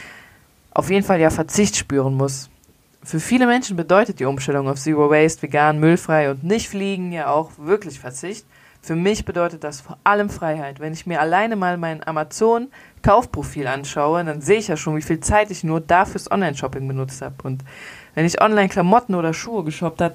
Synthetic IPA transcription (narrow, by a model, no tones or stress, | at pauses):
ʔa̰ʊfjeːdn̩faljaːfɛɐt͡sɪçtʃpyːʁənmʊs | fyːɐfiːləmɛnʃn̩bədɔʏtət̚d̥iːʔʊmʃtɛlʊŋaʊfz̥iːʁowɛɪstv̥eɡaːnmʏlfʁ̥aɪʊntnɪçtfliːɡŋ̩jaːaʊxv̥ɪɐklɪçfɛɐt͡sɪçt | fyːɐmɪçb̥ədɔʏtət̚d̥asfoːɐʔaləmfʁ̥aɪhaɪtv̥ɛnɪçmiːɐʔalaɪnəmaːlmaɪnʔa̰mat͡soːn | kʰaʊfpʁ̥ofiːlʔanʃaʊədanzeːəɪçjaːʃoːnviːfiːlt͡saɪtɪçnuːɐdaːfyːɐsʔɔ̰nlaɪnʃɔpɪŋbənʊt͡stha̰ːbəʔʊntvɛnɪçʔɔ̰nlaɪnkʰlamɔtn̩oːdɐʃuːəɡəʃɔp̚thatə